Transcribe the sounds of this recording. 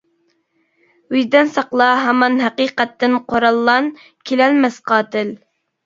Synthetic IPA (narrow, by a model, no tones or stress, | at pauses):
yjd̪ɪnsɑqlˠɑɦɑmɑnɦɛqiqɛt̪ːɪnqʰoɾɑlˠːɑn | kʲʰelɛlmɛsqɑːt̪ɪl